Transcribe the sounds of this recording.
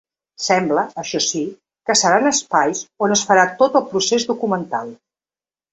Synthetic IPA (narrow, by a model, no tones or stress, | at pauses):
sɛmbləəʃɔsi | kəsəɾanəspajsonəsfəɾat̪ot̪əlˠpɾusezðukumənt̪alˠ